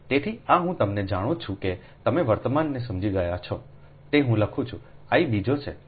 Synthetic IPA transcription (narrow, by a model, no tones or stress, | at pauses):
t̪et̪ʰiaɦũt̪əmned͡ʒaɽ̃ũt͡ʃʰũke | t̪əmeʋəɾt̪əmanːes̬əmd͡ʒiɡəjat͡ʃʰɔ | t̪eɦũləkʰũt͡ʃʰũaibid͡ʒot͡ʃʰḛ